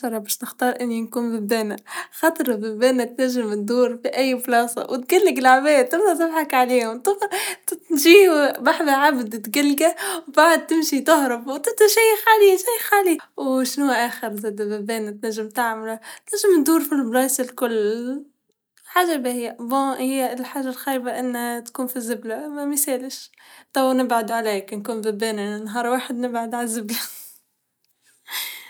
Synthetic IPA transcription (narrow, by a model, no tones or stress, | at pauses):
ʃɑɾˤɑbæːʃnɪxt̪ɑːɾˤʔɪnːinkuːnbɪbb̪æːnaxɑːt̪ˤɨɾbɪbæːnæt̪næʒːɪmt̪d̪uːɾfiʔæjːflɑːsˤɑ̰wɪt̪̚ɡælːɪɡɪlʕabæːd̪̚ɪmnat̪ɪbħakʕaliːhʊmt̪ʊft̪ʒiːwbaħðaʕabd̪t̪ɡalːɡawbaʕd̪̚t̪ɪmʃit̪ʊhɾˤɑfwt̪ɪt̪aʃæjːɪxʕaliʃæjːɪxʕaːliwʃnuːʔaːxɪɾzɪd̪babeːnt̪naʒːɪmt̪aʕmɪlat̪naʒːɪmt̪d̪uːɾfilblɑːsɪlkʊlː | ħaːʒabahɪjːaʔbɑhɪjːlħaːʒalxaɾbaʔɪnːhat̪kuːnfizɪblamamɪseːlɪʃ | t̪ˤɑwnɪbʕad̪ʕaleːknkuːnbɪbeːnɪnɪnːɦɑːɾˤwaːħɪd̪nɪbʕad̪ʕalazɪbla